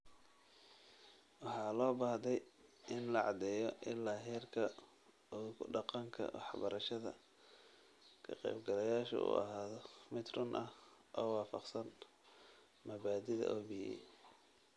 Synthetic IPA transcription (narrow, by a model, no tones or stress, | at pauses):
wɑħɑːlɔːbaːhd̪ɛjʔɪnlɐʕɑd̪ɛjɔʔɪlaːɦɛːrkʰɐ | ɔkʰʊɖɑqɑŋkʰɐ̰wʔɑ̰ħbɐɾʔɐʃɐðɐ̰ | kʰɐqɛ̰jbɡɐlɐjaːʃɐ̰ʊ̰ɐ̰ɦaːðɔmɪt̪rʊnʔɐhʔɔːwɑːfɑqsɐn | mɐβaːd̪ɪðɐ̰ʔɔːbijɛ̰j